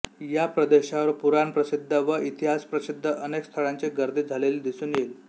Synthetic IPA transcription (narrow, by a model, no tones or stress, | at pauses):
japɾəd̪eɕaʋəɾpuɾanpɾəsid̪ʱːəʋəit̪iɦaspɾəsid̪ʱːəʔənekst̪ʰəɭant͡seɡəɾd̪ʱiːd͡zʱaleliːd̪isuːnjel